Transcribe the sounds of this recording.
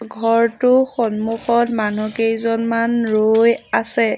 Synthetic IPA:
ɡʱɔɹtʊxɔnmuxɔtmanukejzɔnmanɹojasɛ

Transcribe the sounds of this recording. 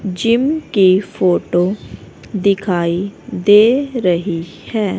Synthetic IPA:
d͡ʒɪmkifoːʈo | d̪ɪkʰaːid̪eːɾɐɦi | hɛː

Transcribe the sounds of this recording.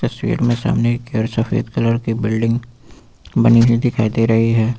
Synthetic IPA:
t̪ɐswḭːɾmẽsa̰ːmnekeəɾsɐfḛːd̪kɐləɾkibɪlɖɪ̃ŋɡ | bɐniɦid̪ɪkʰaːid̪eɾɐɦiɦɛː

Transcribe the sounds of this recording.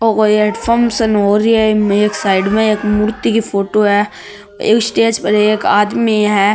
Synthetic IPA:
oːkoɛɖfʰəɾmʃənoːɾiɛeːksaːɪɖmẽeːkmʊɾt̪ikifʰoːʈoɦɛ | ḛːksʈeːd͡ʒpɐɾɛeːkaːd̪miɦɛː

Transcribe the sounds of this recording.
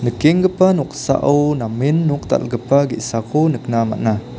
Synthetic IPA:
nəkiŋɡəpanuksa̰ʔunaminːuk̚t̪a̰lɡəpaɡiʔsakunəkənama̰ʔna

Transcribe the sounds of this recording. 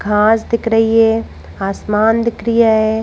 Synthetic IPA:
ɡʱãːsd̪ɪkʰɾəɦiɦɛ | aːsmaːnd̪ɪkɾijaɦɛ

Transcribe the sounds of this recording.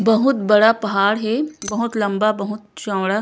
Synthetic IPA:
bɐɦʊt̪bɐɽapɐɦaːɽɦɛbɐɦʊt̪lɐ̃mbabɐɦʊt̪̚t͡ʃãːwɽa

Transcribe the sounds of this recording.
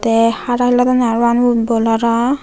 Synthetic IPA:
tɛhaɾahilatanaɹanubɔlaɾa

